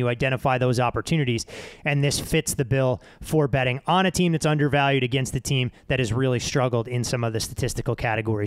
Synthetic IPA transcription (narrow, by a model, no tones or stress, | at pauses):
ɨaɪdɛ̃ɾ̃ɨfaɪðoʊzɑpə˞tʰʉñɨɾiz̥ɨ̃nðɪsfɪtsðɨbɪlˠ | fə˞bɛɾɪ̃ŋə̃ñɨtʰĩmðɨtsʌ̃ndə˞vælˠjʉɾɨɡɛ̃nst̪ɨtʰĩmðɨɾɨzɹɪlˠistɹ̥ʌɡl̩ˠdɪ̃nsʌ̃mʌvðɨstɨtʰɪstɨkl̩ˠkʰæɾɨɡɔɹi